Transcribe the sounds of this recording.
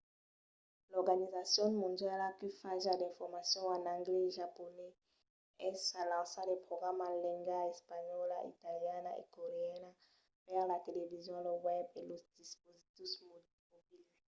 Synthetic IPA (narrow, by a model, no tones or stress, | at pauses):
lɔʁɡanizasjɔ̃nmɔ̃nd̪jalakyfaʒalɛ̃fɔʁmasjɔ̃ãnãŋɡlɛʒapɔnɛ | ɛsalãsalepχoɡʁamãlɛ̃ŋɡaɛspaɲɔlaʔḭt̪aljanaḛkoʁeɛna | pɛʁlat̪elevizjɔ̃lowɛbelosd̪̥ispozit̪is | mobil